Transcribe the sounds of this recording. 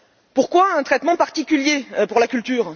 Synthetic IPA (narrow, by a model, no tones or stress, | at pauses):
puʁkwaɛ̃t̪χɛt̪mɑ̃paʁt̪ikʲyljepuʁlakʲylt̪yːʁ